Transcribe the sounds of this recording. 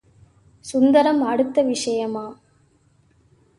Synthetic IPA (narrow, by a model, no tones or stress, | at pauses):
sʊnd̪ɐɾɐmɐɽɯt̪ːɐʋɪʂɐjɐmaː